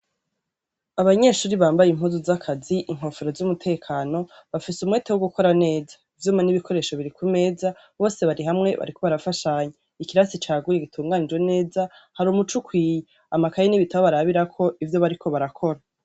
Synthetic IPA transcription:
aβaɲe̞ʃuːɾiβaːmbajim̥huːzuzakʰaziʔiŋ̥ɦo̞ːfeɾo̞zumutʰe̞ːkʰaːno̞ | βafisumweːtewoɡuko̞ɾane̞ːzḁivjuːmaniβikʰo̞ɾe̞ʃo̞βiɾikume̞ːza | βo̞ːse̞βaɾiɦamŋe̞βa̰ɾikʰo̞βaɾafaʃaɲe | ikiɾasit͡ʃaːɡujeɡitʰuːŋɡanid͡ʒwe̞ne̞ːza | haɾumut͡ʃukwiːje | amakajeniβitaβoβaɾaβiɾakʰo̞ʔivjo̞βaɾikʰo̞βaɾakʰo̞ɾa

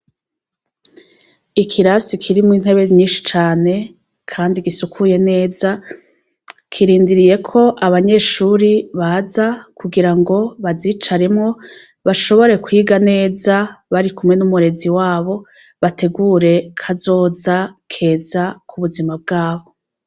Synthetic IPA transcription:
ikʰiɾasikʰiɾimŋiːn̥he̞βe̞ɲiːnʃi̥t͡ʃaːne̞ | kʰaːndiɡisukʰuje̞ne̞ːza | kʰiɾiːndiɾije̞kʰo̞ʔaβaɲe̞ʃuɾiβazakuɡiɾaŋɡo̞βaziːt͡ʃaɾemŋo̞ | βaʃo̞βo̞ɾe̞kwiːɡane̞ːzaβaɾikumŋe̞numuɾe̞ziwaːβo̞ | βate̞ɡuːɾe̞kʰazo̞ːzakʰe̞ːzakʰuβuzimab̚ɡaːβo̞

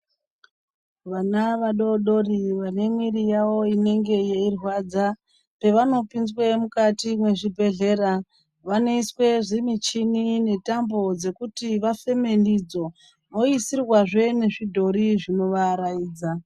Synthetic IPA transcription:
ʋanaʋaɗo̞ɗo̞riʋane̞mwirijawo̞ine̞ŋɡe̞jeirwad͡za | pe̞ʋano̞pinzwe̞mukatimwe̞ʐibʱe̞ɮe̞ra | ʋano̞iswe̞ʐimit͡ʃinine̞tambo̞d͡ze̞kutiʋafe̞me̞ndid͡zo̞ | no̞isirwaʐe̞ne̞ʐidʱo̞ɾiʐino̞ʋaɾajiːd͡za

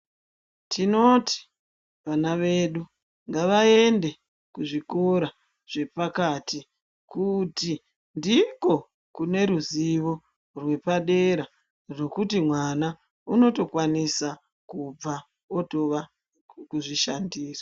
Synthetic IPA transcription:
tʰino̞ti̥ | ʋanaʋe̞ɗu | ŋɡaʋae̞nde̞ | kuʐiko̞ɾa | ʐ̥e̞pakati | kuti | ndiko̞ | kune̞ɾuziʋo̞ | rwe̞paɗe̞ɾa | ro̞kutimwana | uno̞to̞kwanisa | kub͡va | oto̞ʋa | kuʐiʃandiːra

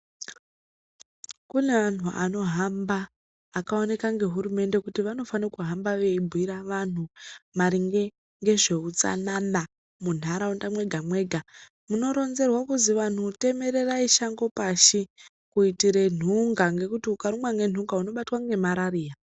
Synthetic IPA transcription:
kune̞an̤uʔa̰no̞ɦambaː | kao̞ne̞kaŋɡe̞ɦuɾume̞nde̞kutiʋano̞fanakuɦambaʋe̞ibʱuwiɾaʋan̤umaɾiŋɡe̞ | ŋɡe̞ʐe̞ut͡sa̰nana | mun̤aɾaundamwe̞ɡʱamwe̞ːɡʱa | muno̞ɾo̞nze̞rwakuziʋan̤ute̞me̞ɾe̞raiʃaŋɡo̞paʃi | kuitiɾe̞n̤uŋɡaŋɡe̞kutiukaɾumwaŋɡe̞n̤uŋɡauno̞ɓatwaŋɡe̞maɾariːja

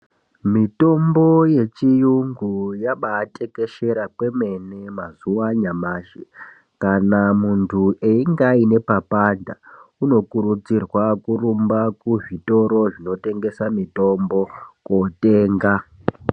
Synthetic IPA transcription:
mito̞mbo̞je̞t͡ʃijuŋɡujaɓaːte̞ke̞ʃe̞ɾakwe̞me̞nemazuwaɲamaːʃe | kanamuntʰuʔeiŋɡaine̞papandauno̞kuɾut͡sirwakurumbakuʐito̞ɾo̞ʐino̞te̞ŋɡe̞samito̞mbo̞kote̞ːŋɡa

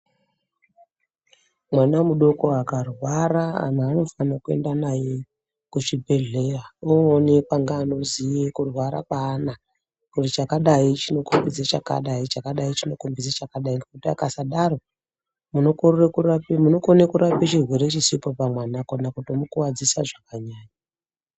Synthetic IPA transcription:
mwanamuɗo̞ko̞akarwaɾaa̰naːno̞fanakue̞̰ndanaje | kuʐibʱe̞ɮe̞raoːnepaŋɡaːno̞zijekurwaɾa̰kaːna | kutit͡ʃakaɗait͡ʃino̞kumbid͡zet͡ʃaka̰ɗait͡ʃakaɗait͡ʃino̞kumbid͡zet͡ʃakaɗaiŋɡekutia̰kasaɗaro̞ | munokorekurapemuno̞konekuɾapet͡ʃirwe̞ɾet͡ʃisipo̞pamwanakonakutomukuwad͡zisaʐakaɲaːɲaa

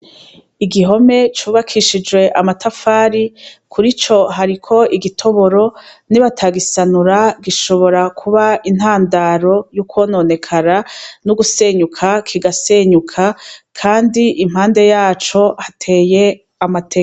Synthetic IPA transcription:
iɡiɦo̞me̞t͡ʃuːβakʰiʃid͡ʒɡwe̞ʔamatʰafaːɾikʰuɾit͡ʃo̞ɦaɾikʰo̞ʔiɡitʰo̞βo̞ɾo̞niβatʰaɡisanuɾaɡiʃo̞βo̞ɾakʰuβain̥haːndaːɾo̞juːkwo̞ːno̞ːne̞kʰaɾanuɡuse̞ːɲukʰakʰiɡase̞ːɲukʰakʰaːndiʔim̥haːnde̞jaːt͡ʃo̞hatʰe̞ːje̞ | amatʰek

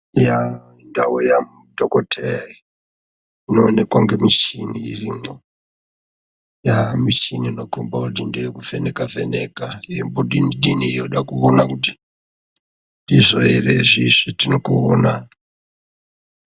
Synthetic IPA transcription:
ja | indaujamudʱokotʰeri | inoːne̞kwaŋɡe̞miʃinḭːriŋo | jamiʃiniːnokombakut̬indeikufenekafenekaiimbuɗiniɗiniijoɗakuonakuti | ndiʐoereʐiʐitinokuoːna

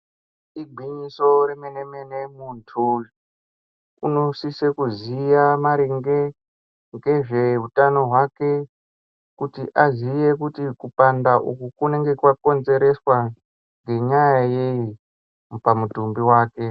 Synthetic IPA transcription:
iɡʱiɲiso̞rimenemenemuntʰul | unosisekuzijamaɾiŋɡe | ŋɡe̞ʐe̞ɦutano̞ɦwake̞ | kutiʔazijekutikupandaʔukukune̞ŋɡe̞kwako̞nze̞ɾe̞swa | ŋɡe̞ɲajajei | pamutumbiwaːke̞

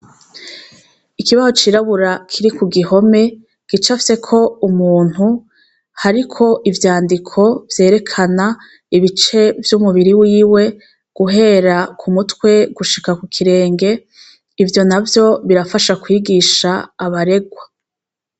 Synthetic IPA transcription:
ikiβazo̞t͡ʃiɾaβuɾakʰiɾikuɡiho̞me̞ | ɡ̥it͡ʃafi̥se̞kʰo̞umuːn̥hu | haɾikʰo̞ʔivjaːndikʰo̞vje̞ːɾe̞kʰana | iβit͡ʃe̞vjumuβiɾiwiːwe̞ | ɡ̥uɦe̞ːɾakʰumutkwe̞ɡuʃikakukʰiɾe̞ːŋɡe̞ | ivjo̞navjo̞βiɾafaʃakwiːɡiʃaːβaɾe̞ɡwa

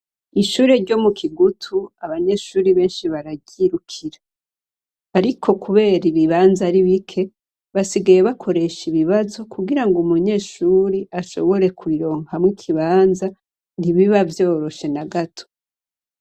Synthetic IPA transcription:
iʃuːɾeɾɟo̞mukʰiɡutʰuaβaɲe̞ʃuːɾiβe̞ːnʃiβaɾaɟiɾukʰiɾa | aɾikʰo̞kuβe̞ːɾiβiβaːnzaɾiβikʰe̞ | βasiɡaje̞βakʰo̞ɾe̞ʃiβiβazo̞kʰuɡiɾaŋɡumuɲe̞ːʃuːɾiʔaʃo̞̰βo̞ɾe̞kʰuiɾo̞ːŋhamwikʰiβaːnza | n̥iβiβavjo̞ːɾo̞ʃe̞naɡatʰo̥

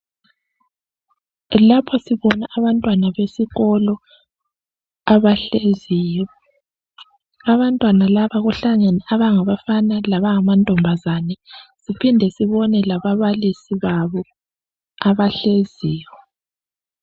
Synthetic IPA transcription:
lapʰɔsiβɔnaʔaβantʼwanaβesiɣɔlɔ | aβaɬeziːjɔ | aβantʼwanalaβaɣuɬaŋenɛaβaŋaβafanalaβaŋamantʼɔmbʱazanɛsipʰindʱɛsiβɔnɛlaβaβalisiβaβɔ | aβaɬeziːwɛ

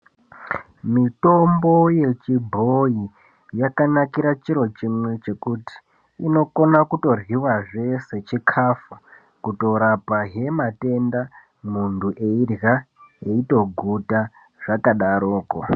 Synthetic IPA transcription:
mito̞mbo̞je̞t͡ʃibʱoi | jakanakiɾat͡ʃiɾo̞t͡ʃimwe̞t͡ʃe̞kuti̥ː | no̞ko̞nakuto̞rwiwaʐe̞se̞t͡ʃikʰafu | kuto̞ɾapaɦe̞mate̞nda | munduʔe̞irja | e̞ito̞ɡʱuta | ʐ̥akaɗaɾoːko̰

